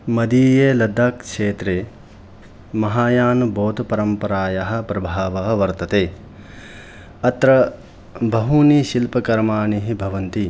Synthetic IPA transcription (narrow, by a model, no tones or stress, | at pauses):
mɐd̪iːjeːlɐd̪aːkʂeːt̪ɾeː | mɐɦaːjaːnuboːt̪ɐpɐɾɐmpɐɾaːjɐɦɐ̆pɾɐbʱaːʋɐɦɐ̆ʋɐɾt̪ɐt̪eː | ɐt̪ɾɐ | bʱɐɦuːniʃilpɐkɐɾmaːniɦibʱɐʋɐnt̪i